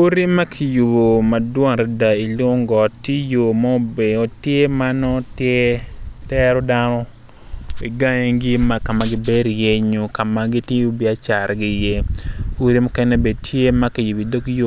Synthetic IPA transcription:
u˦ɾi˦ma˦kʰi˨ju˨bo˨ma˨dwɔ˦ŋɾɛ˨da˨i˨lo˦ŋɡɔ˨tːi˦jo˨ma˦˨be˨o˨tje˦ma˦nɔ˦tje˦tɛ˦ɾɔ˦da˦nɔ˦ | i˨ɡa˦ɲe˦ŋɡi˦ma˦ka˨ma˨ɡɪ˦be˦ɾje˦ɲo˨ka˨ma˨ɡi˦ti˦u˦bi˨a˦t͡ʃa˨ɾɡɪ˦je˦u˦ɾi˦mʊ˦kɛ˦ne˦be˨tʰje˦ma˦ki˨ju˨bi˨do˦kjo˦

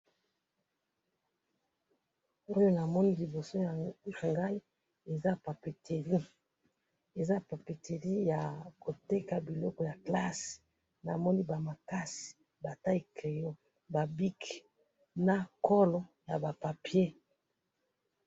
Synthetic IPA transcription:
o˦jo˦na˨mɔ˦ni˦li˨bo˨so˦˨a˨ŋɡa˦i˦ | e˨za˦pa˨pe˨tʰe˨ʁi˦ | e˨za˦pa˨pe˨te˨ʁi˦ja˨ko˨te˦ka˨bi˨lɔ˦kɔ˨ja˨kla˦s | na̰˨mɔ˦ni˦ba˨ma˨ka˦si̥˨ | ba˨ta˦i˨ke˨jo˦ | ba˨bi˦k | na˦kɔ˦lɔ˦ja˨ba˨pa˨pje˦

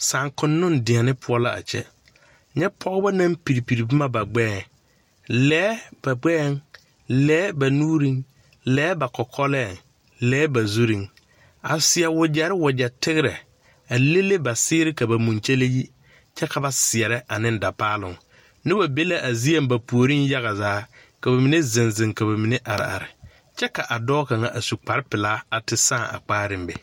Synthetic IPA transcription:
sã˨ŋkʰʊ̃˨nː˦ʊ̃˦n˨dɪ̃˨a˨nɪ̃˦pʰʊ˦ɔ˦la˦a̰˨t͡ɕʰɛ̰˦ | ɲɛ˦pʰɔ˦ba˦nã˦m˦pi˨ɾi˨pi˨ɾi˨bɪ˦mã˦ba˨ɡ͡bɛː˦˨ | lɛː˦b̥a˨ɡ͡bɛ˦˨n | lɛː˦ba˨nũː˦ɾĩ˦ŋ | lɛː˨˦ba˨kʰɔ˨kʰɔ˦lɛ˦˨ | lɛː˦ba˨zu˦ɾĩ˨ŋ | a˨sɪ˨ɛ˨wʊ˨d͡ʑɛ˨ɾɪ˦wʊ˨d͡ʑɛ˨tʰɪ˦ɡɪ˦ɾɛ̰˨ | a˨le˦le˦ba˨sɪː˦ɾɪ˦ka˨ba˨mũ˨nt͡ʃe˦le˦ji˦ | t͡ʃɛ˦ka˨ba˨sɪ˨ɛ˨ɾɛ˦a˨nɪ̃˦n˦da˨paː˦lʊ̰˨ŋ | nɪ˦ba˨be˦la˦ʔa˨zi˦a˦mba˨pu˨o˨ɾi˦nja˦ɣa˨zaː˨˦ | ka˨ba˨mɪ˨ne˦zɪ˨nzɪ˨ŋka˨βa˨mi˨ne˦ʔa˨ɾɪ̰˨a̰˨ɾɪ˨ | t͡ʃɛ˦ka˨ʔa˨dɔː˦ka˨ŋa˨ʔa˨su˨k͡pa˨ɾɪ˦pɪ˨laː˦a˨tɪ˨sãː˦˨a̰˨k͡paː˦ɾɪ˦mbɛ˦

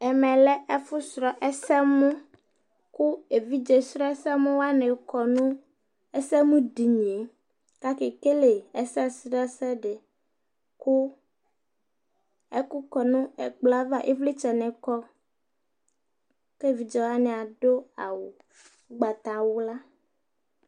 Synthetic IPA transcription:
ɛ˨mɛ̃˨lɛ˦ɛ˦fu˦sɾɔ˨ʔɛ˦sɛ˦mũ˦ | ku˦e˨vi˦d͡ʒe˨sɾɔ˦ɛ˦sɛ˦mẽ˦wa˦ne˨kɔ˨nũ˦ | ɛ˦sɛ˦mũ˦di˨ɲ˨e˨ | ka˦ke˨ke˦le˨ɛ˦sɛ˦sɾɔ˦ɛ˦sɛ˦ɖe˨ | ku˦ | ɛ˦ku˦kɔ˨nũ˦ɛ̰˨ɡ͡bla˦va˦˨ʔḛ˦vle˦t͡ʃɛ˨nɛ̃˨kɔ˦ | ke˦˨vi˨d͡ʒɛ˨wa˦nɛ˨a˨ɖo˦a˨wo˨˦ | ɡ͡ba˨t̪a˨wo˦la˦

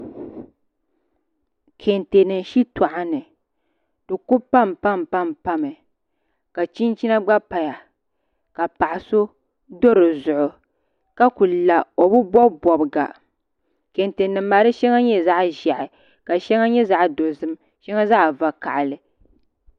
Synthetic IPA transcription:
kʰe˨nte˨nɨ˨nʃi˦ta˨ʔa˨nɨ˨ | d̥ɨ˨ku˦pa˦mpa˦mpa˦mpa˦mɨ˨ | ka˨t͡ʃi˦nt͡ʃi˦na˦ɡ͡ba˦pa˨ja˨ | ka˨pa˨ʔa˨so˦ | do˦ɾɨ˨zʊ˨ʔʊ˨ | ka˦ku˨la˨o˨bu˦bɔ˦bɔ˨bɨ˨ɡa̰˨ | ke˨nte˨nɨ˨m̩ː˦a˨ɾɨ˦ʃɛ˦ŋa˦ɲɛ˦za˦ʔʒa˨ʔɪ˨ | ka˨ʃɛ˦ŋa˦ɲɛ˦za˦ʔdo˨zɨ˦m | ʃɛ˦ŋa˦za˦ʔva˨ka˨ʔlɨ˨

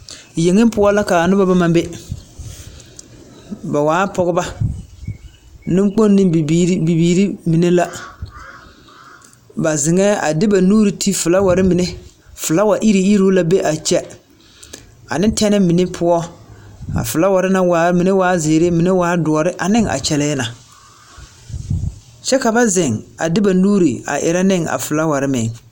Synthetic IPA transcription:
je˨ŋɪ˦pʊ˦ɔ˦la˦ka˨nʊ˦ba˦ba˦ma˦be˦ | ba˨waː˨˦pɔ˦ɣɪ˦ba˦ | nɪ˦m˦k͡po˦nnːɪ˦˨˦bi˨biː˨ɾi˦mi˨ne˦la˦ | ba˨zɪ˨ŋɛː˦a̰˨dɪ˦ba˨nuː˦ɾi˨tʰi˦fʊ˨la˦wa˨ɾɪ˦mɪ˨ne˦ | fʊ˨la˦wa˨ʔi˦ɾi˨i˦ɾo˦la˦be˦ʔa˨t͡ʃɛ˦ | a̰˨nɪ̃˦ntʰɛ˦nɪ˦mɪ˨ne˦pʰʊ˦ɔ˦ | a̰˨fʊ˨la˦wa˨ɾɪ˦na˦waː˨˦mi˨ne˦waː˦zɪ˨ɾe˦mɪ˨ne˦waː˦dʊ˨ɔ˨ɾɪ˦ʔa˨nɪ˦ŋa̰˨t͡ʃɛ˨lɛː˦na˨ | t͡ʃɛ˦ka˨ba˦zɪ˨ŋa̰˨dɪ˦ba˨nuː˦ɾi˨a̰˨ʔɪ̰˨ɾa˦nɪ˦˨ŋa̰˨fʊ˨la˦wa˨ɾɪ˦mɪ̰˨ŋ

